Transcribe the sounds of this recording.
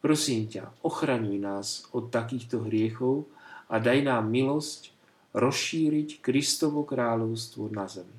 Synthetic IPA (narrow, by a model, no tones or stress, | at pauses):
pɾɔsiːmca̰ɔxɾaɲujnaːzɔt̪ːakiːxt̪ɔɦɾɪɛxɔʊad̪ajnaːmːilɔsc | ɾɔsʃiːɾickɾist̪ɔʋɔkɾaːʎɔʊst̪ʋɔnazɛmi